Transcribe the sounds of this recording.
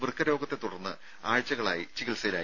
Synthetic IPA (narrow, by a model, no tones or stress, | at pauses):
ʋɨrkːɐɾo̞ːɡɐt̪ːe̞t̪uɽɐrnːɨ | aːɻt͡ɕːɐɣɐɭaːjit͡ɕiɣilsɐlaː